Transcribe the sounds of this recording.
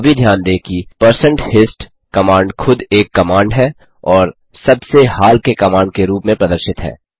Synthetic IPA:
bʱid̪ʱjaːnd̪eːkipəɾsə̃ɳʈhɪsʈ | kɐmãːɳɖkʰʊd̪eːkːɐmãːɳɖɦɛ | ɔːɾ | sɐbsehaːlkekɐmãːɳɖkeɾuːpmẽpɾɐd̪əɾʃɪt̪ɦɛ̰ː

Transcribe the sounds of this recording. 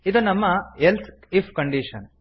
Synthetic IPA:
id̪unɐmːɐɦelt̪ʰ | ipʰkɐɳɖiːʂɐn

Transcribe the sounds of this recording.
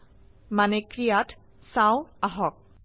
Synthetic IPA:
manɛkɹijat | sãw̃aɦɔk̚

